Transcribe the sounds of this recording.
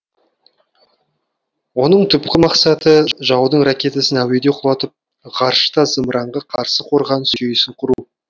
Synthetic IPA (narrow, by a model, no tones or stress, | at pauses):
wo̞nəɴt̪ʰʏpkʲɪmɑqsɑt̪əʒɑwd̪əɴrakʲe̞t̪asɪnæwe̞d̪e̞qʰʊlˠɑt̪əp̚ | ʁɑɾʃə̥t̪ɑzəmɾʔɑɴʁəqʰɑɾsəqʰo̞ɾʁɑnsʏejɪsɪɴqʰʊɾu